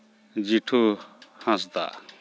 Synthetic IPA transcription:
d͡ʑiʈʰuhãst̪a̰

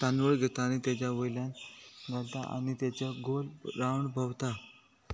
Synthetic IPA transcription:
t̪anʋəɭɡʱet̪aːñit̪jat͡ɕjaʋəjljãnɡʱalt̪aa̰ñit̪jat͡ɕəɡolɾawɳbʱəʋt̪a

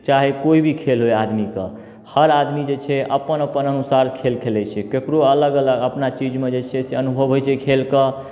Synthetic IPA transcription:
t͡ʃaɦekoibʱikʰelɦoead̪mikḛ | həɾad̪mid͡ʒet͡ʃʰɛʔəpənəpənənusaɾkʰelkʰelɛt͡ʃʰɛkekɾoələɡələɡəpnat͡ʃid͡ʒmed͡ʒet͡ʃʰɛseənubʱəbɦojt͡ʃʰɛkʰelkə

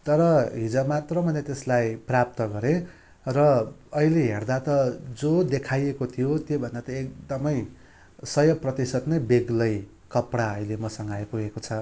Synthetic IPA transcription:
t̪ʌɾʌɦid͡zʌmat̪rʌmʌnet̪eslajprap̚t̪ʌɡʌɾẽ | rʌʌileɦerd̪at̪ʌd͡zod̪ekʰajekot̪ʰijot̪jobʱʌnd̪at̪ʌek̚d̪ʌmʌj | sʌjʌprʌt̪isʌd̪nʌjbeɡlʌj | kʌpɽaʌilemʌsʌŋɡajpuɡekot͡sʰʌ

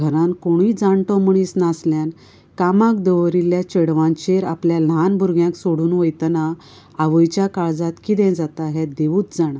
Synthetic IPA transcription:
ɡʱəɾãnkoɽ̃iːd͡zaɳʈɔ̃muɳ̃isnasljãn | kamãk̚d̪əʋɾiljat͡ɕeɽʋãnt͡ɕeɾapljalanbʱuɾɡjãksoɽuːnʋəjt̪na | aʋəjt͡ɕjakaɭd͡zat̪kid̪ɛ̃d͡zat̪aɦɛd̪eʋuːt̪d͡zaɽ̃a

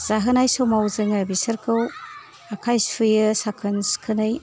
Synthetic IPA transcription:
z̥aɦɯnajsowmawzɯŋɯbisɯɾkʰɯw | akʰajspʰɯjɯsakʰɯnskʰɯnɯj

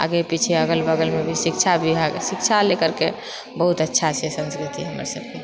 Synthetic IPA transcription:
a̰ɡepit͡ʃʰeəɡəlbəɡəlmebʱisikt͡ʃʰabʱiɦasik̚t͡ʃʰalekəɾke | bəɦut̪ətːʃʰat͡ʃʰesə̃nskɾit̪iɦəmə̰ɾsəb̚ke

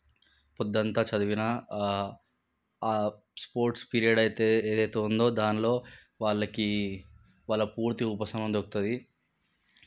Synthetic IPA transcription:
pɔd̪ːɐnt̪aːt͡ʃɐd̪uʋinɐ | spoːɾʈspiːɾijɐɖɐjt̪eeːd̪ɐjt̪e̞ːund̪o̞ːd̪aːnilo̞ː | ʋaːɭːɐki | ʋaːɭːɐpuːɾt̪iupɐsɐmɐnd̪okut̪ud̪i

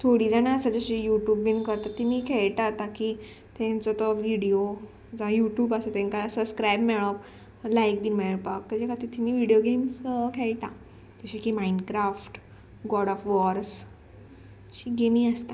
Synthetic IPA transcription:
t̪ʰoɽiːd͡zanãəsəd͡ʑəɕijuʈjuːbːinkəɾt̪at̪ːimiːkʰɛɭʈ̪at̪aki | t̪ẽnt͡sɔt̪ɔʋiɽio | d͡zaajuʈjuːbəsət̪ẽŋkasəbskɾajbmeɭɔp | lajk̚biːnmeɭɭpakt̪əd͡ʑekat̪it̪ʰimiːʋiɽijoɡemskʰɛɭʈa | d͡ʑəɕekimaiɳɖkɾafʈ | ɡɔɽɔfʋɔɾs | ɕiɡemĩəst̪a

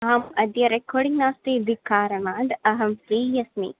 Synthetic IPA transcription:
ɐɦɐmɐd̪jɐɾekʰoːɽiŋnaːst̪id̪ʱikʰːaːɾɐnaːnd̪ɐɦɐmfɾiːjɐsnḭː

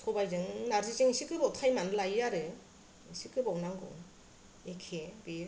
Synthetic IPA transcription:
tʰɔbajd͡ʒɯŋnaɾzizɯŋisikɯbawtʰajmanɯlajjaɾɯ | sikɯbawnaŋɡɔ̰ŋ | ekʰebe

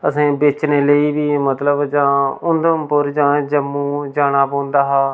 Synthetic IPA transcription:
əsẽːbɪt͡ʃneːləiːbiːmət̪ləbd͡ʒãːʊnd̪əmpʊɾd͡ʒãːd͡ʒəmːũːd͡ʒaːɽ̃aːpõːnd̪aːɦaː

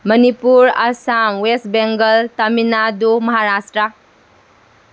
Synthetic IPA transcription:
mənipuɾasamwestbeŋɡəlt̪ɐminad̪umɐɦaɾasʈɾa

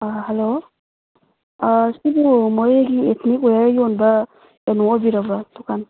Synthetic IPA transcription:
aɦɛlo | asibumɔɾeɡiet̪ʰnikɔjajɔnba | enɔɔbiɾabɾatukʰan

